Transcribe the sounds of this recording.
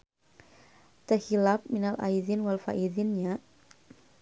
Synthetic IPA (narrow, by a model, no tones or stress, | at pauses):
t̪əhilap̚minalʔa̰iðinwalfa̰ʔiðinɲaʔ